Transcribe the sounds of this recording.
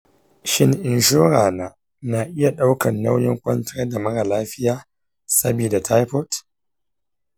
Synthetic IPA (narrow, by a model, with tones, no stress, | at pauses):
ʃɪ˦nʔɪ˨nʃoː˦ɾaː˨naː˦ | na˨ʔɪ˦ja˨ɗa˦wkɐ˨nːa˦wjɪ˦ŋkʷɐ˦ntɪ˦ɐ˦da˨mɐ˦ɽa˨laː˦ɸɪ˦jaː˦ | sɐ˦biː˨da˨tʰa˦jpɔ˦t